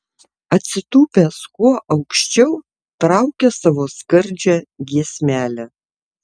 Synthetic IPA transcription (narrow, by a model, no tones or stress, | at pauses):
ɐt̪ʲsʲɪt̪uːpʲæskuɔʔɐʊkʃʲt͡ʃʲɛʊ | t̪ɾɑˑʊkʲɛsɑːʋoːskɐɾʲˑd͡ʒʲæɡʲiɛsʲmʲæːlʲæ